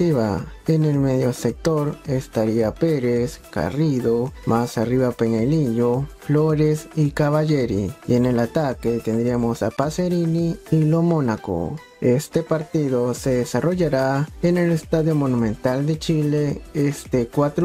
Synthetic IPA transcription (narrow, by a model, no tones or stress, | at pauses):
iβa̰enelmeðjosek̚t̪oɾest̪aɾiapeɾeska̰riðomasariβapeɲaliʎofloɾesikaβaʝeɾḭienelat̪aket̪end̪ɾiamosapaseɾiniːlomonako̰ | est̪epaɾt̪iðoseðesaroʝaɾaenelest̪aðjomonumẽnt̪ald̪et͡ʃileest̪ekwat̪ɾ